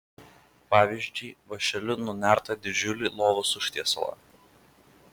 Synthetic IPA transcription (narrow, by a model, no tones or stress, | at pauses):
pɑːʋʲɪʒʲd͡ʒʲʊɪʋɐʃʲɛlʲʊnʊnʲæˑɾt̪ɐd̪ʲɪd͡ʒʲʊlʲɪlˠoːʋʊsʊʃʲt̪ʲiɛslˠɐ̰